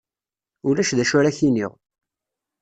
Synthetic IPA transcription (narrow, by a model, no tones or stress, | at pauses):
ulæʃðæʃʊɾæçinḭʁ